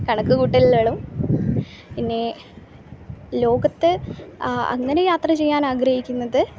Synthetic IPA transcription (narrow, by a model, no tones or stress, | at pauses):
kɐɳɐkːɨkuːʈːillːeːɭum | pinːe̞ | lo̞ːɡɐt̪ːɨ | ɐ̰ŋːɐne̞jaːt̪rɐt͡ɕe̞jːaːnaːɡrɐhikʲːunːɐðɨ